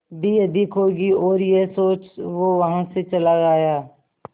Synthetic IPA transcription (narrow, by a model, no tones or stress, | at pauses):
d̪iɐd̪ɪkʰɦoːɡiɔːɾjesoːt͡ʃʋoʋɐɦãset͡ʃɐlaɡaːjaː